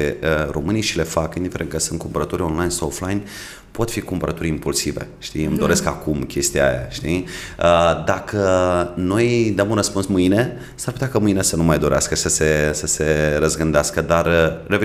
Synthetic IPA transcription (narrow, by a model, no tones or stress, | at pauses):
eəɾo̞mɨnijʃile̞fakind̪ifeɾenkəsɨnt̪kumpəɾət̪uɾʲonlajnsaoflajn | po̞t̪fikumpəɾʔət̪uɾʲimpulsive̞̰ʃt̪iɨmd̪o̞ɾe̞skakumkʲe̞st̪ia̰ja̰ʃt̪iəd̪akʰəno̞jd̪əmunrəspunsmɨjne̞ | saɾrput̪eakamɨjne̞sənumajd̪o̞ɾea̰skəsəse̞səse̞ɾəzɡɨnd̪easkəd̪arəːeve